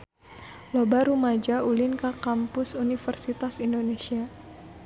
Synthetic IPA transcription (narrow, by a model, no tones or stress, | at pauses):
lobaɾumad͡ʒaulinkakampʊsunifərsit̪asindonesia